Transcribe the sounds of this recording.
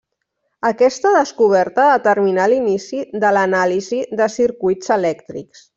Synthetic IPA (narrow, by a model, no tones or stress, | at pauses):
əkɛst̪əðəskuβ̞ɛɾt̪əat̪əɾminalinisiðələnaliziðəsiɾkujzəlɛkt̪ɾḭks